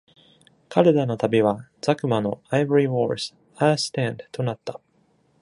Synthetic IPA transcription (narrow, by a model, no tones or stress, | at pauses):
kʰaɾɯd̪ano̞t̪abʲiβaz̥akɯ̟mano̞aiboɾʲiwoːɾsɨ̥ | asɨ̥t̪ãnd̪t̪o̞nat̪ːa